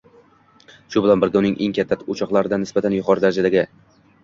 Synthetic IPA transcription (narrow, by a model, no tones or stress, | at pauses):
ʃʊbɪlanbɪɾɡʲaʊnɪŋʔḛŋkʲʰat̪ʰːaʊt͡ʃʰɒqlˠaɾɪd̪anɪsbat̪ʰanjʊqʰɒɾd̪aɾad͡ʒad̪aɡʲɪ